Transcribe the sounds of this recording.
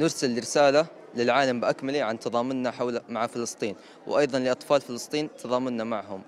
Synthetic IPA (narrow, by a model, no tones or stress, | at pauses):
nʊɾsalːɪɾɪsaːla | lɪlʕaːlambɪʔakmaliʕant̪ɑðˤɑːmʊnːaħawlmaʕafɪlɨsˤt̪ˤiːn | wʔɑjðˤɑnlɪʔɑt̪ˤfɑːlfɪlɨsˤt̪ˤiːnt̪ʰɑðˤɑːmʊnːamaʕhʊm